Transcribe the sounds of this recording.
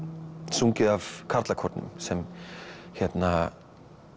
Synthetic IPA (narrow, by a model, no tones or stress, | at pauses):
suŋcɪavkʰaɾt̪lakʰɔɾt̪nʏ̰msɛmçɛt̪na